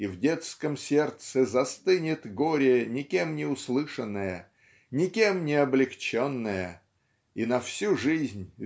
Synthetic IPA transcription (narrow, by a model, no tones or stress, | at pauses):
ivdʲe̞t̪skəmsʲe̞rt̪sɨzɐst̪ɨnʲɪt̪ɡoɾʲɪnʲɪkʲemnʲɪʊslˠɨʂənːəjə | nʲɪkʲe̞mnʲɪɐblʲɪkt͡ɕonːəjə | inɐfsʲuʐɨzʲnʲ